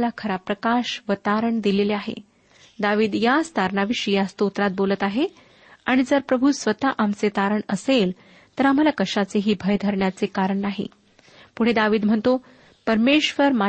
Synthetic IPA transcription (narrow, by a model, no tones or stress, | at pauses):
lakʰəɾapɾəkaɕʋət̪aɾəɳd̪ileleaɦḛ | d̪aʋiːd̪jast̪aɾɳaʋiʂijast̪ot̪ɾat̪̚bolət̪aɦe | aɽ̃id͡zəɾpɾəbʱusʋət̪aʔamt͡set̪aɾəɳəsel | t̪əɾam̤alakəʂat͡seɦiːbʱəjd̪ʱəɾɳjat͡sekaɾəɳnaɦḭ | puɽ̤ed̪aʋiːd̪m̤əɳt̪o | pəɾmeɕʋəɾma